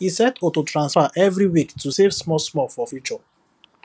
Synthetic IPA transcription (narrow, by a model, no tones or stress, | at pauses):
hisɛtʰɔtotʰɹãnsfaʔɛvɹiwiktʰusevsmɔsmɔfɔfjut͡ʃɔ